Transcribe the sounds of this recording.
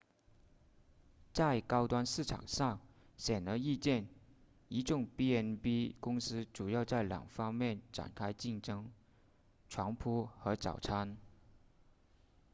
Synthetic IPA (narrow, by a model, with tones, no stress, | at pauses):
t͡sa˥˩ɪkɑ˥ʊt̪wa˥nʂɹ̩˥˩ʈ͡ʂʰɑ̰˨˩ŋʂɑ˥˩ŋ | ɕjɛ˨˩nd̪ə˧˥i˥˧t͡ɕjɛ˥˩n | i˧˥ʈ͡ʂʊ˥˧ŋpi˥ɛ˥npi˥kʊ˥ŋsɹ̩˥ʈ͡ʂu˨˩jɑ˥˧ʊt͡sa˥˩ɪljɑ̰˨˩ŋfɑ˥ŋmjɛ˥˩nʈ͡ʂa̰˨˩nkʰa˥ɪt͡ɕi˥˩ŋʈ͡ʂɤ˥ŋ | ʈ͡ʂʰwɑ˧˥ŋpʰu˥xɤ˧˥t͡sɑ̰˨˩ʊʈ͡ʂʰa˥n